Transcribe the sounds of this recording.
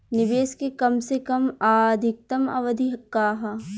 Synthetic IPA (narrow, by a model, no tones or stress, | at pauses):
nɪbeːskekɐmsekɐmaːd̪ʱɪk̚t̪ɐmɐ̰ʋɐd̪ʱiɦɐkːaːɦɐ